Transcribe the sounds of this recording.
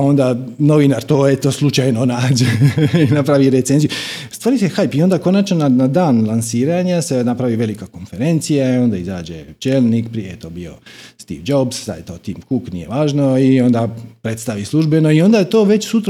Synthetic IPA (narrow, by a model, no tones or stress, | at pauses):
o̞nd̪ano̞ʋinaɾt̪o̞ːet̪oslˠut͡ʃajno̞naːd͡ʑeinapɾaʋiɾet̪se̞nzijust̪ʋaːɾisexajpio̞nd̪ako̞nat͡ʃnonanad̪aːnlˠansiːɾaɲasenapɾaʋiʋe̞likako̞nfe̞ɾe̞nt̪sijaio̞nd̪aiza̰ːd͡ʒḛt͡ʃeːlˠnikpɾijejet̪o̞ːbijo̞̰st̪ḭːʋd͡ʒo̞bssa̰jt̪o̞t̪imkuknḭje̞̰ʋaːʒno̞io̞nd̪apɾe̞t̪st̪aʋislˠuʒbe̞no̞io̞nd̪at̪o̞ːʋe̞t͡ɕsut̪ɾ